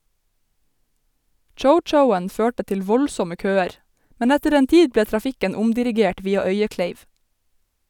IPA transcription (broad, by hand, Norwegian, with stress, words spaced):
ˈt͡ʃəʊˌt͡ʃəʊən ˈføːʈə ˈtɪl ˈʋɔlsɔmə ˈkøːəɾ ˈmɛn ˈɛtəɾ ˈeːn ˈtiːd ˈbleː tɾɑˈfɪkən ˈʊmdɪɾɪˌɡeːʈ ˈʋiːɑ ˈœʏəˌkleɪʋ